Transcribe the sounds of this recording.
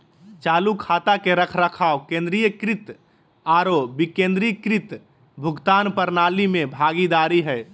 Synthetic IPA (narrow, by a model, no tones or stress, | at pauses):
t͡ʃaːlukʰaːt̪akeɾəkʰɾəkʰaːwkẽːnd̪ɾijəkɾɪt̪ | aːɾobikẽnd̪ɾikɾɪt̪ | bʱʊɡt̪aːnpəɾnaːlimẽbʱaːɡid̪aːɾiɦɛɪ